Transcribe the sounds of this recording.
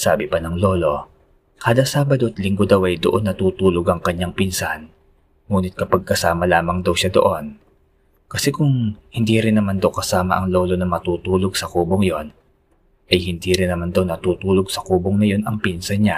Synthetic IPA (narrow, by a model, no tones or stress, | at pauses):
saːbɪpɐnɐŋlo̞ːlo̞ | kaːd̪ɐsaːbɐd̪oʔɐt̪lɪŋɡod̪awʔɐjd̪oʔo̞nːɐt̪uːt̪uːloɡɐŋkɐɲaŋpinsan | ŋuːnɪt̪̚kɐpɐɡ̚kɐsaːmɐlaːmɐŋd̪ɐwʃad̪o̞ʔo̞n | kɐsɛkʊŋhɪnd̪iːɾɪnːɐmand̪ɐwkɐsaːmɐ̰ʔɐŋlo̞ːlo̞nɐmɐt̪uːt̪uːloɡ̚sɐkuːboŋjo̞n | ʔɐjhɪnd̪iɾɪnːɐmand̪ɐwnɐt̪uːt̪uːloɡ̚sɐkuːboŋnɐjo̞nɐŋpinsɐnɲa